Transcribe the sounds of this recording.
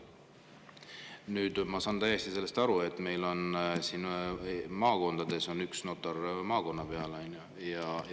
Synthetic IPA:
nyːd̪̥mɑsɑːnt̪æje̞st̪ise̞lːe̞st̪ɑɾue̞t̪ːˑme̞jlo̞nsiːn | mɑːko̞nd̪̥ɑd̪̥e̞so̞nyksno̞t̪ːˑɑrmɑːko̞nːɑpe̞ɑlɑjnju | jɑ

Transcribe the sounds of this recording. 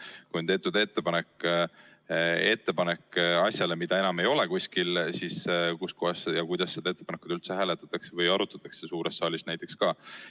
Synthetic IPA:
kujnt̪e̞ːt̪ːˑud̪̥e̞t̪ːe̞pɑnek | e̞t̪ːe̞pɑnekːɑsʲjɑle̞mid̪̥ɑe̞nɑmejo̞le̞kusʲkilsiskusko̞hɑsjɑkujd̪̥ɑsːed̪ɑe̞t̪ːe̥pɑnekud̪̥ylt̪seɦæːlet̪ːˑɑ̥t̪ːˑɑksevɤjɑɾut̪ːˑɑt̪ːˑɑ̥kse̞suːɾest̪ːɑːlʲisnæjt̪ːˑe̞kskɑː

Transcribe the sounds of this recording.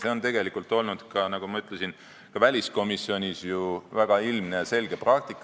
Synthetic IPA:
se̞o̞nt̪e̞ɡ̥e̞likˑult̪ːˑo̞lnud̪̥kɑnɑɡ̥umɑyt̪lesin | kɑvælʲisko̞misːio̞nʲisjuvæɡ̥ɑilmne̞ɑse̞lɡ̥e̞prɑk̚t̪ikːˑ

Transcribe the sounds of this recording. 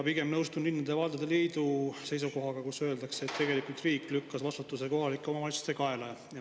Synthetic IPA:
piɡ̥e̞mnɤwst̪unlinːɑd̪̥e̞vɑld̪ed̪̥eliːd̪use̞js̬uko̞ɦɑɡɑkusø̞ld̪ɑkseːt̪ːe̞ɡe̞likult̪riːkːlykːɑsvɑst̪ut̪ːˑus̬eko̞ɦɑlikːˑeomɑmɑlisu̥st̪ekɑe̞le | jɑ

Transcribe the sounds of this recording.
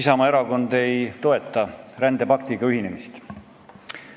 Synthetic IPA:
isɑmɑe̞ɾɑko̞nd̪e̞jt̪o̞e̞t̪ːˑɑɾænd̪̥e̞pɑkt̪iɡɑyɦine̞mist̪

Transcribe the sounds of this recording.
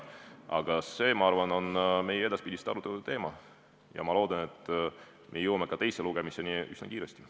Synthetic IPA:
ʔɑ̰ɡ̥ɑse̞ːmɑɑrvɑno̞nme̞jeed̪ɑspid̪ʲist̪ɑɾut̪ːɑt̪e̞ːmɑ | jɑ̰mɑlo̞ːd̪̥ɑne̞t̪ːˑ | mʔejɤwɑmekɑt̪e̞jseluɡ̥emise̞niyznɑ̰kiːɾest̪i

